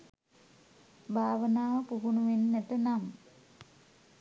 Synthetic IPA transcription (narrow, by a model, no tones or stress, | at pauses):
bʱaːʋənaːʋəpuɦunuʋenːætənam